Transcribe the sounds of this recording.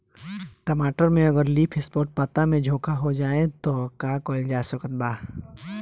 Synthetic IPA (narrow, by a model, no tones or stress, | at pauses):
kɐmaːʈəɾmẽɐɡəɾliːpʰɪspoːʈ̚pət̪amẽd͡ʒʱoːkʰaɦod͡ʒaːet̪okaːkoːɪd͡ʒaːsəkət̪̚baː